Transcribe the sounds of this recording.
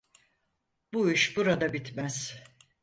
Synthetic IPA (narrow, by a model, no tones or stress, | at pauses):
b̥uiʃbuɾad̪abit̪ʰmæz̥